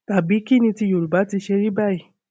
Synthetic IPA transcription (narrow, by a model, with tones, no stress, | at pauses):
ta˨bi˨˦ki˦˨nĩ˧ti˧jo˨ɾu˨ba˨˦ti˧ʃe˧ɾi˦ba˦˨i˨